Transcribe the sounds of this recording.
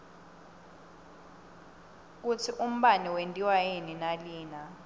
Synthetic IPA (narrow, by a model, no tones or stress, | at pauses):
k̬utʰiʔum̩ɓaniwentʼiwajeninaliːna